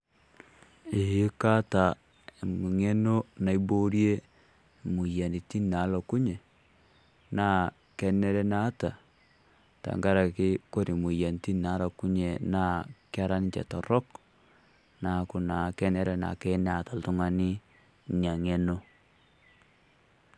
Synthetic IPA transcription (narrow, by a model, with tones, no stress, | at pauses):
i˨jɪ˦ka˦ta˨ | mu˨ŋe˦no˦na˨i˦bo˦ɾje˦˨ | mu˨ja˨ni˨ti˦na˨˦lo˨ku˦ɲe˨ | na˦ | kɛ˦nɛ˦ɾɛ˦na˦ta˨ | ta̰˨ŋɡa˦ɾa˨ki˦ko˦ɾi˨mu˨ja˨n˨ti˦na˨˦ɾo˨ku˦ɲe˨na˦kja˦ɾa˦ni˦t͡ʃɛ̰˨tɔ˨rɔ˦k | na˨ku˨na˨kɛ˦nɛ˦ɾɛ˨na̰˨ke˦na˨ta˨ltu˦ŋa˦ni˦ | ɲa˨ŋe˦no˦